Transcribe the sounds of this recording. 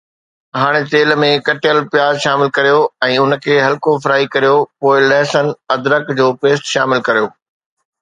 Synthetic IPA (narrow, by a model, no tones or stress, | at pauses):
ɦaːɽ̃et̪eːlmẽkɐʈɪjəlpjaːzʃaːmɪlkɐɾijoɛ̃ːʊnkʰeːɦɐlkofɾaːikɐɾijopoːɪlɛ̃ːsən̆ɐd̪ɾəkd͡ʑoːpeːsʈʃaːmɪlkɐɾijoː